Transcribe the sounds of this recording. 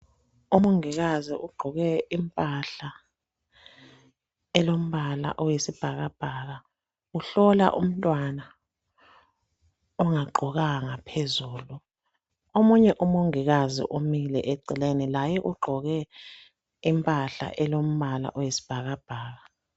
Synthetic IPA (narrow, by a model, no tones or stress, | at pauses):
umoŋiɣaziʔuɡ͡ǃʱɔɣɛimpʼaɬa | ɛlom̩βala̰ʔɔjesib̥ʱaɣab̥ʱaːɣa | uɬɔla̰ʔṵm̩tʼwana | ɔŋaɡ͡ǃʱɔɣaŋapʰezuːlu | omuɲɛʔumoŋiɣazḭʔomilɛ̰ʔeǀilenilajɛʔuɡ͡ǃʱɔɣɛ | impʼaɬa̰ʔɛlom̩βala̰ʔɔjesi̥b̥ʱaɣab̥ʱaːɣa